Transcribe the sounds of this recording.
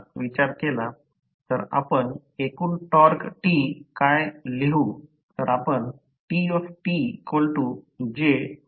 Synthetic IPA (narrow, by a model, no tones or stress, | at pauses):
ʋit͡ɕaɾkela | t̪əɾa̰pəɳ | ekuːnʈɔɾkʈikajleɦu | t̪əɾapəɳ | ʈiɔfʈikoɭʈud͡ʑe